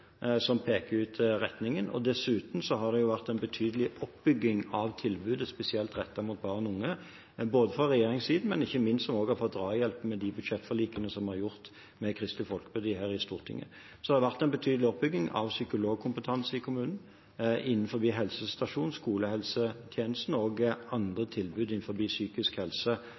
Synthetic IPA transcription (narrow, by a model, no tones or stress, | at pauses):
sɔmpʰeːkəɾʉːt̪ʁɛt̪nɪŋənɔ̰d̪ɛsʉːt̪n̩sɔɦɑd̪ɛjʊʋæʁt̪æɛɪnbət̪ʰyːd̪əlɪʔɔpbʏɡːɪŋɑʋt̪ʰɪlbʉːd̪əspɛsɪɛlt̪ʁɛt̪ːɑmuːt̪̚bɑːʁɔnʊŋːə | boːd̪əfʁɑʁɛjeːɾɪŋsiːd̪n̩mɛnɪçːəmɪnsɔmoːɡhɑfɔt̪̚d̪ʁɑːjɛlpmɛd̪ɪbʉd̪ʃɛt̪ːfɔʁliːkənəsɔmhɑɾjʊʁt̪ | mɛkʰɾɪst̪lɪfɔlkəbʉd̪iːhæːʁɪst̪uːʁt̪ʰɪ̰ŋːə̰ | sɔd̪ɑdʋæʁt̪æɛnbət̪ʰyːd̪əlɪɔp̚bʏɡ̪ɪŋɑ̰ʋsʏkʊloːɡ̚kʰʊmpət̪ʰɑnsəɪkʰʊmʉːnn̩ | ʔɪnːn̩fɔbiːɦɛlsəst̪ɑʂuːnskuːləhɛlsət̪ʰjeːnəst̪n̩oːɡɑnd̪ʁət̪ʰɪlbʉːd̪ɪnn̩fɔbiːsyːkɪskhɛlsə